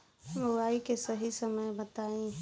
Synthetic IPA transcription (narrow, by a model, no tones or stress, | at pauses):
mowaːikesəɦisəməjbət̪aːĩ